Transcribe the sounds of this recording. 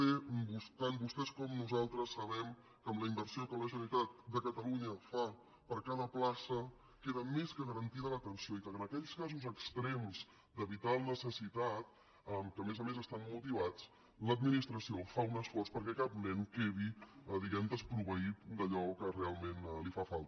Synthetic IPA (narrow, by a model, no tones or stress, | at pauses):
ɛbust̪anbust̪ɛskɔmnuzalˠt̪ɾəsːəβɛm | kəːmləimbəɾsiokələʒənit̪at̪̚d̪əkət̪əluɲəfa | pəɾkaðəplasə | keðəmeskəɣəɾənt̪iðələt̪ənsioikəənəkɛʎskazuzəkst̪ɾɛmz | d̪əβit̪alˠnəsəsit̪at̪ | əmkəːmezəmezəst̪anmut̪̬iβ̞at͡s | ləd̪minist̪ɾəsiofaunəsfɔrspəɾkɛkap̚nɛŋkeβiəðiɣɛmd̪əspɾuβəit̪̚d̪əʎɔkərealˠmenlifafalˠt̪ə